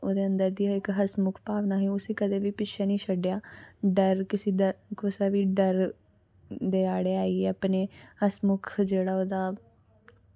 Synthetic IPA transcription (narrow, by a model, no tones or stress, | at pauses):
oːd̪eːənd̪əɾd̪iːaɪkɦəsmʊkʰpaːʋnaːɦeːʊsiːkəd̪eːʋiːpɪʃʰaːnĩːʃəɖjaːɖəɾkɪsiːd̪akʊsaːʋiːɖəɾ | d̪eːaːɽeːaːiːɛːəpneːhəsmʊkʰd͡ʒeːɽaːoːd̪aː